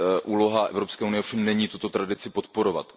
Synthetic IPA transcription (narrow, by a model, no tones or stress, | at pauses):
ʔuːlo̞ɦaʔɛ̰vɾo̞pskɛːunɪjɛofʃɛmnɛɲiːt̪ut̪ot̪ɾadɪt͡sɪpo̞t̪po̞ɾo̞va̰t̪